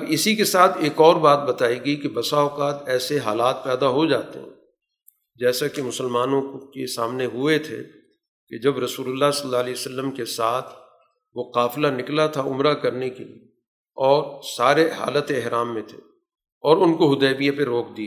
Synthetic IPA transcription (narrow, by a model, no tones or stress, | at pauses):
ɐbɪsikesaːt̪ʰeːkɔːɾbaːt̪̚bɐt̪aːiɡɐikebɐsaːoqaːt̪ɛːseɦaːlaːt̪̚pɛːd̪aɦod͡ʒaːt̪ḛɦɛ̰̃ | d͡ʒɛːsakemʊsəlmaːnõkesaːmneɦʊet̪ʰḛ | ked͡ʒɐbɾɐsuːlʊlːasɐlːaːlisəlːəmkesaːt̪ʰ | ʋoqaːflanɪklat̪ʰaʊmɾakɐɾnekelḭe | ɔːɾsaːɾeɦa̰ːlət̪eɪɦɾaːmːẽt̪ʰe̥̰ː | ɔːɾʊnkoɦʊd̪ɛːbijapeɾoːk̚d̪ia